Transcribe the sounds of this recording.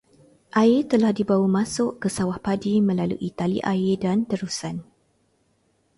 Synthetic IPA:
ʔaet̪əlahdibawamãsʊʔkəsawahpadimə̃lalṵʔit̪alḭʔaedant̪əɾusan

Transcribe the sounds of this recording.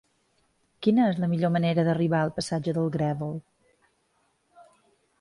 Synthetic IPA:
kinəezləmiʎoməneɾəðəriβ̞aəlˠpəsad͡ʒəðəlˠɣɾɛβolˠ

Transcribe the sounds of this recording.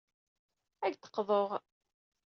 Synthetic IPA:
æɡθə̥qːðˤoʁ

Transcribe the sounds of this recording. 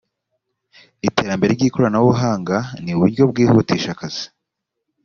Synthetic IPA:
ite̞ɾambeɾeɾɟiːko̞ɾanawuβuɦaːŋɡaniuβuɾɟo̞b̚ɡiːhutiːʃakaz̥i̥

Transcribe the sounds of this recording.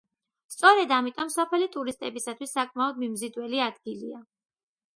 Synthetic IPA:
st̪sʼɔɾɛd̪amit̪ʼɔmsɔpʰɛlit̪ʼuɾist̪ʼɛbisat̪ʰwisːakʼmaɔd̪mimzid̪wɛliad̪ɡilia

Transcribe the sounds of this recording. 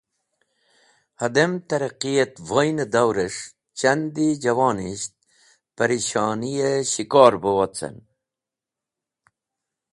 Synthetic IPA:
hɐd̪emt̪ɐɾɐqijet̪vojned̪awɾeʂ | t͡ɕɐnd̪id͡ʑɐwɑːniɕt̪̚ | pɐɾiɕɑːnijeɕikɑːɾbowɐt͡sɐ̰n

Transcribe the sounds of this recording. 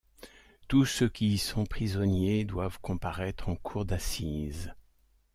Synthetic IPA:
t̪usøkʲisɔ̃pχizɔnjed̪wavkɔ̃paʁɛt̪χɑ̃kʰuʁd̪asiz

